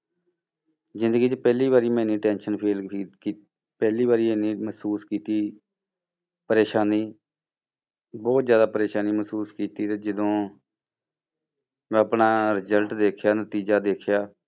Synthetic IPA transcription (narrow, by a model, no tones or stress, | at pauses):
zɪ̃nd̪əɡiːt͡ʃpɛːliːβaːɾiːmɛ̃ːnĩːʈɛ̃ːnʃənpʰeːlki | pɛːliːbaːɾiːeniːməsuːskiːt̪iː | pəɾeːʃaːniː | bɔːt̪zjaːd̪aːpəɾeːʃaːniːməsuːskiːt̪iːt̪eːd͡ʒəd̪õː | mɛ̃ːəpnaːɾɪzəlʈd̪eːkʰjaːnət̪iːd͡ʒaːd̪eːkʰjaː